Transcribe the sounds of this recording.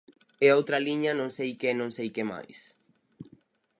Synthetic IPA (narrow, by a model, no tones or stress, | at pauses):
eowt̪ɾɐliɲɐnõŋsejkenõŋsejkema̰js